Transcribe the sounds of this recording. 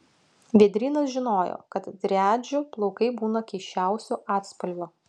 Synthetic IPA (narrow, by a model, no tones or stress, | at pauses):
ʋʲiɛd̪ʲɾʲiːnɐsʒʲɪnoːjo̰kɐt̪d̪ʲɾʲæːd͡ʒʲʊplˠɔʊkɐɪbuːnɐkʲɛɪʃʲt͡ʃʲæˑʊsʲuʔɑːt̪spɐlʲʋʲʊ